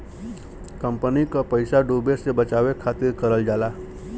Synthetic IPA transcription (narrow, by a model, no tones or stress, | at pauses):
kəmpənikapəjsaɖubesebət͡ʃaʋekʰat̪iɾkəɾəld͡ʒala